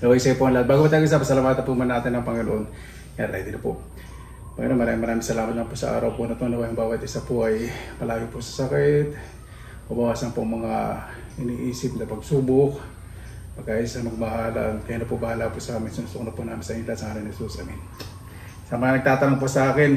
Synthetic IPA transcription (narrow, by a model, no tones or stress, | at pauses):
d̪ɐwajsajpoʔɐŋlad̪̚baːɡomɐt̪aːɡɪsɐpɐsɐlamaːt̪ɐnpumɐnaːt̪ɪnːɐŋpɐŋɪnoʔon | kjala̰d̪ɪnɐpo | pɐŋɪ̰no̰ʔnmɐɾaːmɪŋmɐɾaːmɪŋsɐlaːmɐt̪nɐpʊsɐʔa̰ːɾɐwpʊnɐt̪onɐwajɐŋbaːwɐt̪ɪsɐpoʔɐjpɐlaːjopʊsɐ̥sɐkɪt̪̚ | mɐbɐwaːsɐnpʊŋmɐŋa | ʔɪniʔiːsɪp̚nɐpɐɡsuːbok̚ | pɐɡaʔɪsanɐɡbɐɦaːla̰ʔnkɐjaːnɐpʊbɐhaːlapʊsɐʔaːmɪnsɪnʊst̪oknɐpʊnaːmɪnsɐʔɪnɪlat̪sɐŋaːɾɐnhɛsusʔa̰mɪn | sɐmɐŋanɐɡ̚t̪aːt̪ɐnaŋpʊsɐʔaːkɪn